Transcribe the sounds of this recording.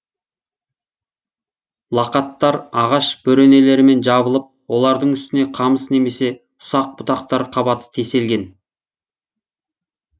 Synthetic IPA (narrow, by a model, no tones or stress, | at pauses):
lˠɑqɑt̪ːɑɾɑʁɑʃb̥ɵɾe̞ne̞le̞ɾɪme̞nʒɑbəlˠəp̚wo̞lˠɑɾd̪əɴʏst̪ɪne̞qʰɑməsne̞me̞se̞ | ʊ̥sɑq̚bʊt̪ɑq̚t̪ɑɾqʰɑbɑt̪ə̥t̪ʰe̞se̞lɡʲe̞n